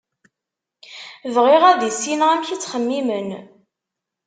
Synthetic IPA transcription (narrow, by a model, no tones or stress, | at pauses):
vʁiʁæðisinʁæmçit͡sːχəmːimən